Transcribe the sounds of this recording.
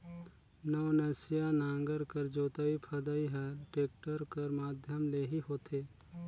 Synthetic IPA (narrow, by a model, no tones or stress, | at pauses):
nɐːneːsijanãːŋɡəɾkəɾd͡ʒoːt̪əipʰɐd̪əiɦɛʈeːk̚ʈəɾkɐɾmaːd̪ʱjəmleːɦiɦoːt̪ʰeː